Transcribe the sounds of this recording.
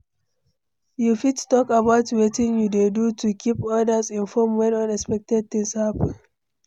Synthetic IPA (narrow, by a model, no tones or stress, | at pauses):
jufidtɔkabaʊtwetɪ̃ŋjudedutʰukʰipɔdazɪ̃nfɔmwɛ̃nɔ̃nɛkspɛk̚tɛd̚tɪ̃ŋshapə̃n